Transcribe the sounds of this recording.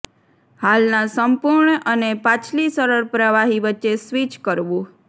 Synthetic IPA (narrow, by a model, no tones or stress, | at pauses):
halnãsəmpuɾɳʔənepãt͡ʃʰlisəɾəɭpɾəʋaɦiʋətːʃesʋit͡ʃkəɾʋũ